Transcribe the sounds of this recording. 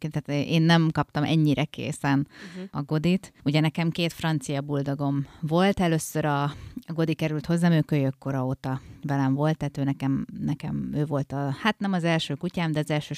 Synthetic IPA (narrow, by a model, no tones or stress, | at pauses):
kenaːt̪ʔeːnːɛmkɒp̚t̪ɒmʔɛ̰ɲːiɾɛkḛːsɛnɒɡo̞d̪it̪uɟɛnɛkɛmkeːt̪frɒnt̪sijɒbuld̪oɡo̞ɱvo̞lt̪ɛløːsːøɾɒɡo̞d̪ikɛɾylt̪ho̞zːaːmøːkøjøkːo̞ɾɒot̪ɒvɛlɛɱvo̞lt̪ːaːt̪øːnɛkɛmnɛkɛmøːvo̞lt̪ɒhat̪nɛmɒzɛlʃøːkucaːmd̪ɛɒzɛlʃøː